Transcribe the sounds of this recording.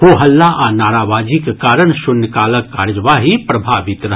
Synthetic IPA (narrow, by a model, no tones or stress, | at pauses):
ɦoːɦɐlːaʔanaːɾaːʋaːd͡ʒikkaːɾəɽ̃ʃʊnːəkaːləkːaːɾd͡ʒʋaːɦipɾɐbʱaːʋɪt̪ɾ